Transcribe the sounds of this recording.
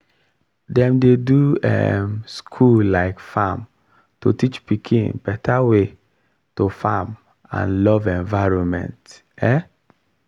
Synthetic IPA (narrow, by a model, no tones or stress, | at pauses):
dɛ̃mdeduɛ̰mskʰullaɪkfam | totit͡ʃpikʰĩŋbɛtawe | tofam | ã̰nlɔvɛ̃ɱvaɪɾɔ̃nmɛ̰̃nt | e